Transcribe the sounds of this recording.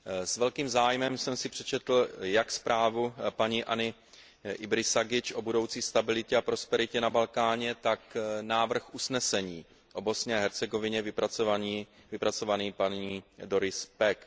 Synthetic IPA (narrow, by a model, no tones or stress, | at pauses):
svɛlkiːmzaːjmɛmsɛmsɪpr̝̥ɛt͡ʃɛt̪l̩jakspɾʔaːvupaɲiːʔanɪ | ʔɪbɾɪsaɡɪt͡ʃʔo̞budo̞wt͡siːst̪abɪlɪcɛapɾo̞spɛɾɪcɛnabalkaːɲɛt̪aknaːvr̩xʔusnɛsɛɲiː | ʔobo̞sɲɛaɦɛɾt͡sɛɡo̞vɪɲɛvɪpɾat͡soaiːvɪpɾat͡so̞vaniːpaniːdo̞ɾɪspɛk